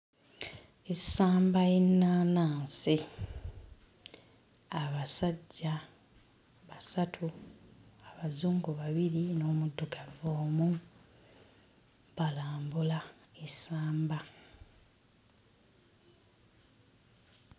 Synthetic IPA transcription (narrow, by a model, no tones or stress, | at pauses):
esaːmbajenːaːnaːnsi | aβasaɟːa | βasatʰu | aβazuːŋɡuβaβiɾino̞ːmudːokavoːmu | βalaːmbulaesaːmba